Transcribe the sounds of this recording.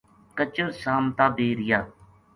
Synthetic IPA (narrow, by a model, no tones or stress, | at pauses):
kət͡ʃəɾsaːmt̪aːbeːɾɪjaː